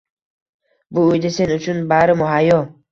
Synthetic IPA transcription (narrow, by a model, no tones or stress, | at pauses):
buud̪asenut͡ʃʰunbaɾɪmʊɦajɔ